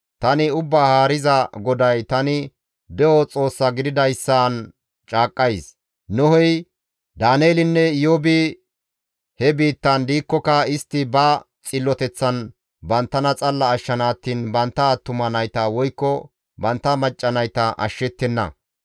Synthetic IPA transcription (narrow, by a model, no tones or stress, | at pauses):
t̪ɐnɪʊbːaːhaːɾɪzɐɡɔd̪ɐjt̪ɐnɪ | d̪ɛʔɔt͡sʼo̞ːsːɐɡɪd̪ɪd̪ɐjsːaːn | t͡ʃʼaːkʼːɐjs | nʊhɔj | d̪aːneːlɪnːɛjoːbɪ | hɛbiːt̪ːɐnd̪iːkːɔkɐɪst̪ːɪbɐ | t͡sʼɪlːɔt̪ɛt͡sːɐn | bɐnt̪ːɐnɐt͡sʼɐlːɐːʃːɐnɐːt̪ːiːnbɐnt̪ːɐːt̪ːʊmɐnɐjt̪ɐwɔjkːɔ | bɐnt̪ːɐmɐt͡ʃʼːɐnɐjt̪ɐʔɐ̰ʃːɛt̪ːɛnːɐ̰